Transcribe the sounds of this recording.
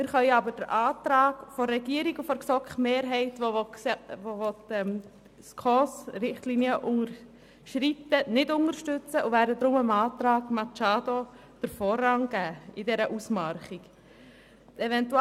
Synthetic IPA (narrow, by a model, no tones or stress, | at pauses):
mɪɾχœʏəɑbəɾd̥əɾʔɑːt̪ɾɑːɡfɔːɛɡiːəɾiɡufɔɾksɔkmeːɾɦɛɪtʋo | vovɔtɛm | skʰɔsɾɪχtliniəʔʊŋəɾ | ʃɾitənɪdʊŋəɾʃtʏt͡səʔuʋæːɾdəd̪ɾʊməmɑːtɾɑːɡmɑt͡ʃɑːdo | d̥əɾfɔːɾɑŋɡ̥æːɪdɛɾəʔusmɑɾχik | ɛvɛntu